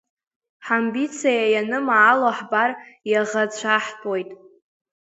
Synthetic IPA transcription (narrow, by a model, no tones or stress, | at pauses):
ħambit͡sʰajajanɨmaːloħbarjaʁat͡ɕʷʰaħpʼojtʼ